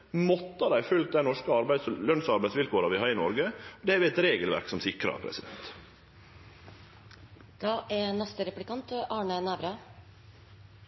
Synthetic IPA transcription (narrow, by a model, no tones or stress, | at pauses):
mɔt̪ːəd̪æɪfʉlt̪̚d̪æɪnɔʂkəɑɾbæɪslœnsɑɾbæɪsʋɪlkʰoːɾɑʋɪhɑːɾɪnɔɾɡəɔd̪ɛɛʋɪɛt̪ɾeːɡəlʋæ̰ɾksɔmsɪkɾɑ̰pʰɾɛ̰sɪd̪ɛ̰nt̪ | d̪̥ɑːʔænɛst̪əɾɛplɪkɑnt̪ʔɑːɳənæːʋɾɑ